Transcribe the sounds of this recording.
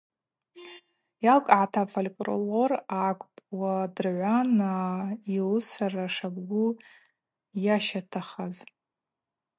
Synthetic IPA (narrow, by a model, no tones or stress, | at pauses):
jalkʼʕatʰafʰalʲkʼro̰lorakʷʼpʼwadɨrʕʷanailsaraʂabɡʷu | jaʃatʰaχaz